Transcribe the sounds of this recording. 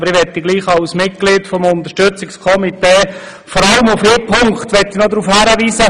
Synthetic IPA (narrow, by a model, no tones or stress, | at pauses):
bəɾɪʋɛtːiɡliːχɑʊsmɪt̚kɡ̥lɪːtfɔmʊnt̪əʃtɵt͡sɪkskʰɔmiteː | fɔɾɑləmufɪːpʰoŋkχtʋɛtːinɔd̪ɾuːfhæɾəʋiːsə